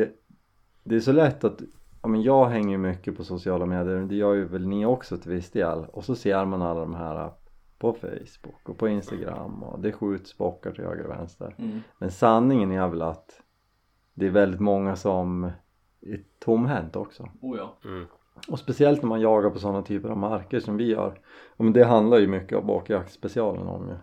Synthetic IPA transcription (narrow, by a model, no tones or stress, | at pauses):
d̪ɛ | d̪ɛːsɔlɛt̪ːat̪jɑːmɛnjɑːɡɦɛŋːəɾjɵmʏkːəpʰɔsʊsɪɑːlameːd̪ɪjəɾmɛnd̪ɛjœːɾjɵvɛlnɪɔksɔt̪ʰɪlvɪsd̪ḛːlɔsɔseːɾmanalːad̪ɔmɦæːɾa̰pʰɔfɛ̰jsb̥ʊkːɔpʰɔɪnst̪aɡɾa̰mːɔ̰d̪ɛɧʉ̟ːt̪sbɔkːaʈʰɪhø̰ːɡa̰ɾ̰vɛ̰nst̪ə̰ɾmɛnsanːɪŋənæɾvɛlat̪ | d̪ɛːɾvɛld̪ɪt̪mɔŋːasɔm | æt̪ʰʊmːɦɛnt̪ɔksɔ | ɔspɛsɪɛlt̪næɾmanjɑːɡaɾpʰɔsɔnːat̪ʰyːpəɾavmaɾkəʂɔmvɪjœ̰ːɾ | mɛnd̪ɛɦand̪laɾjɵmʏkːəɔ̰mbo̰ːkjakspɛsɪɑːlə̰nɔ̰mjɵ̰